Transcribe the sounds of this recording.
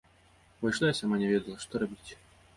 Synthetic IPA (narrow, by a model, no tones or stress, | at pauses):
vɔjʂlˠajasʲamanʲɛvʲɛd̪ɐlˠɐʂt̪ɔɾabʲit͡sʲ